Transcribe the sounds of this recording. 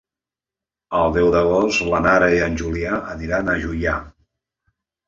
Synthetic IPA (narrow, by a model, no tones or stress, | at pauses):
əlˠd̪ɛwðəɣoslənaɾəiənʲʒuliaəniɾanəʒuja